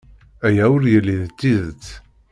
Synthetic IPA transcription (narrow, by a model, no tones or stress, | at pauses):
æjæʊɾjəlːiðt͡sːiðət͡sː